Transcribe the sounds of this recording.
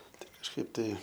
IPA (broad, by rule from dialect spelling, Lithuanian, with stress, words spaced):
ˈtɐɪ kɐʃˈkɐɪp tɐɪ